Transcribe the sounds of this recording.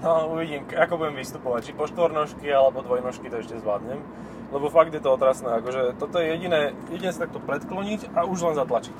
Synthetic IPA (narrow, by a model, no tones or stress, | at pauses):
auʋiɟiːmkakɔbuɟɛmʋist̪upɔʋac̚t͡ʃipɔʃt̪ʋɔɾnɔʃkialɛbɔd̪ʋɔjnɔʃkit̪ɔɛʃcɛzʋlaːd̪ɲɛm | lɛbɔfaɡ̚d̪jɛt̪ɔɔt̪ɾasnɛːakɔʒɛt̪ɔt̪ɔjɛjɛɟinɛːjɛɟinɛːsat̪ak̚t̪ɔpɾɛt̪klɔɲicauʒlɛnzat̪lat͡ʃic